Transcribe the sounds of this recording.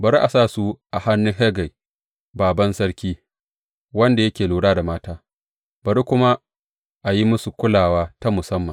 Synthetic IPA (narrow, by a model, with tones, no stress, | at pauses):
bɐ˨ɾi˦ʔa˨saː˦su˦ʔa˨ha˦nːʊ˦ŋɦe˦ɡa˨j | baː˨bɐ˦nsɐ˦ɽkʲiː˦ | wɐ˦nda˨jɐ˦kʲeː˨luː˨ɽaː˦da˨maː˦taː˦ | bɐ˨ɾi˦kʷʊ˦ma˦ | ʔa˨ji˦mʊ˦su˨kʷʊ˦laː˨waː˦ta˦mʊ˨sɐ˦mːɐ˨n